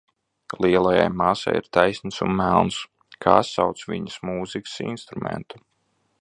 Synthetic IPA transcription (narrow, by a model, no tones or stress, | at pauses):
lˠiɛlˠaja̰jmaːsa̰jḭɾt̪ajsʲnəsunmælˠns | kʰa̰ːsawt̪svḭɲəsmuːzikʲə̥sḭnst̪ɾumɛ̰nt̪u